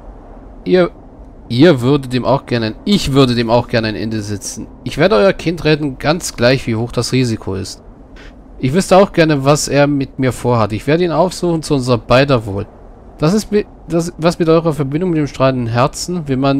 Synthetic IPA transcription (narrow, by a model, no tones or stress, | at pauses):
ʔiːɐ | iːɐvʏɐdətd̥eːmʔa̰ʊxɡ̥ɛɐnəaɪnɪçv̥ʏɐdədeːmaʊxɡ̥ɛɐnəaɪnʔɛ̰ndəzɪt͡sn̩ʔɪçv̥eːɐdəʔɔʏɐkʰɪntʁɛːdn̩ɡant͡sɡ̥laɪçv̥iːhoːxd̥asʁiːzikʰoɪ̰st | ʔɪçv̥ʏstəaʊxɡ̥ɛɐnəvaseːɐmɪtmiːɐfoːɐhatɪçv̥eːɐdəiːnaʊfz̥uːxn̩t͡suʊnzʁɐbaɪdɐvo̰ːl | d̥asɪstmɪ | d̥asvasmɪtʔɔʏʁɐfɛɐbɪndʊŋmɪt̚deːmʃtʁ̥aːləndn̩ɦɛɐt͡sn̩vɛnman